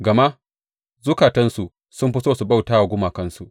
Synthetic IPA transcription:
ɡɐ˨ma˦ | zʊ˦kaː˨tɐ˦nsu˨ʔ | sʊ˦mɸɪ˦soː˦su˨ba˦˨wtaː˦wa˨ɡʷʊ˦maː˨kɐ˦nsu˨ʔ

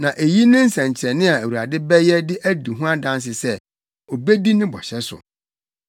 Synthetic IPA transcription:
nã˨ʔe˨ji˦nɪ̃˦n̩˦sɛ̃˨ɲ˨t͡ɕʰɛ˨nɪ̃˦a˨æ˨wu˨ɾa˨dɪ˦bɛ˦jɛ˦dɪ˦ʔæ˦di˨ɦũ˦a˦dã˦ns̬ɪ˨sɛ˦ | o˨be˦di˦nɪ̃˦bɔ̰˨ɕɛ˦sʊ̰˨

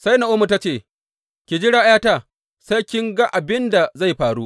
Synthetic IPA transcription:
sa˦jna˨ʔʊ˦mu˨ta˦t͡ʃeː˦˨ | kʲi˨d͡ʒɪ˦ɽaː˦jaː˦ta˦˨ | sa˦jkʲɪ˦ŋɡa˦ʔa˨bɪ˦nda˨za˦˨jɸaː˨ɽu˦ʔ

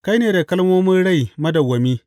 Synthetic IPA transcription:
ka˦jneː˨da˨kɐ˦lmoː˦mɪ˦nɽa˦˨jmɐ˦dɐ˨wɐ˨mi˦

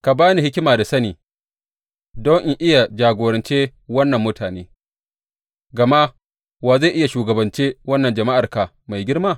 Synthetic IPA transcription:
ka˨baː˦ni˨hɪ˦kʲɪ˦maː˨da˨sɐ˦niː˨ | dɔ˦ŋʔɪ˦ʔɪ˦ja˨d͡ʒaː˨ɡʷoː˨ɾɐ˨nt͡ʃeː˦wɐ˦nːɐ˨mːʊ˦tʰaː˨neː˦ | ɡɐ˨ma˦ | waː˨za˦˨ʔɪ˦ja˨ʃuː˨ɡɐ˨bɐ˨nt͡ʃeː˦wɐ˦nːɐ˨nd͡ʒɐ˨ma˦ʔa˨rka˨ | ma˨jɡʲɪ˦rmaː˦˨

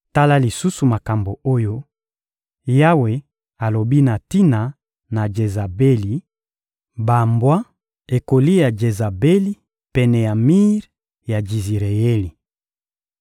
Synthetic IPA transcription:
ta˦la˦li˨su˦su˨ma˨ka˨mbo˨o˦jo˦ | ja˦we˨ | a˨lo˨bi˦na˨ti˦na˨ | na˨d͡ʒe˨za˨be˦li˨ | ba˨mbwa˦ | e˨ko˨li˦ja˨d͡ʒe˨za˨be˦li˦ | pɛ˨nɛ˨ja˨mi˦ʁ | ja˨d͡ʒi˨zi˨ʁe˨je˦li˨

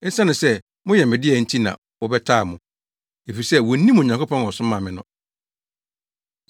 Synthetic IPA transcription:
ɛ˦sa˦nʊ̃˨sɛ˦ | mʊ̃˦jɛ˨mɪ̃˨dɪ˦ɛ˨n̩˦tʰi˦nã̰˨ | wɔ˨bɛ˦tʰaː˦˨mʊ̃˨ | e˨fi˨sɛ˦wɔ˨˦nĩ˦m˨ɲã˨ŋkʰʊ˦pʰɔ̃˦n˨ɔ˨sʊ̃˦mã˨mɪ̃˨nʊ̃˦

